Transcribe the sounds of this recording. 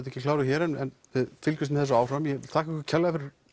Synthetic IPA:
t̪̬ɛhcɪklaːwɾʏçɛːɾɛnːɛnvɪðfɪlcʏsmɛθɛsːaaːwr̥ɾamjɛɪlt̪ʰaːhkaɛhkʏɾcʰɛlːaɣafɪɾɪɾ

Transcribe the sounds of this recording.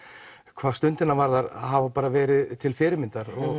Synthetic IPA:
kʰvaːðst̪ʏnt̪ɪnavaɾðaɾhavapaːɾavɛːɾɪðt̪ʰɪlfɪːɾɪmɪnt̪aɾɔ

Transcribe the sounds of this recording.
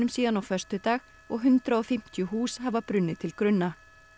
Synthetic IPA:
ʏmsiːðanɔwfœr̥st̪ʏt̪aːɣ | ɔɣɦʉnt̪ɾaɔfɪm̥t̪jʏhuːshavapɾʏnːɪt̪ʰɪlkɾʏnːa

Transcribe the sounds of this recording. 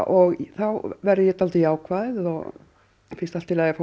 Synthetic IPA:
ɔɣθawvɛɾðɪjɛt̪alt̪ɪjaːwkʰvaːðɪðɔɣ | fɪnst̪alt̪ːɪlajɛfo

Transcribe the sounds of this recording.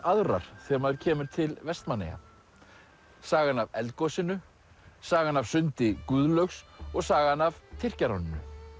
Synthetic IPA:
aðɾa̰ɾ̥θɛmaðɾcʰɛːmʏɾ̥t̪ʰɪlvɛst̪manɛ̰ja̰ | saːɣanavɛlt̪kɔsɪnʏ | saːɣanavsʏnt̪ɪkʏːðlœɥxsɔɣsaːɣanavt̪ʰɪr̥caɾawnɪnʏ̰

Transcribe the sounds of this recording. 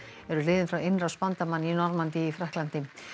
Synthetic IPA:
ɛɾʏlɪːðɪnfɾawenrawspant̪amanːinɔɾmant̪ɪːfɾɛhklant̪ɪ

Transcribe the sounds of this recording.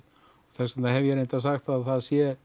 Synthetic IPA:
ɔθɛsanahɛvjɛɾejnt̪asaxt̪aðθaðsjɛ

